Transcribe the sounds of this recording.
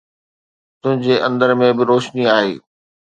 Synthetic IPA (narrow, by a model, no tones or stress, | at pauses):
t̪ʊ̃ɦɪ̃ɲd͡ʑeʔɐ̃nd̪əɾmẽbɪɾoːʃniaːɦḛː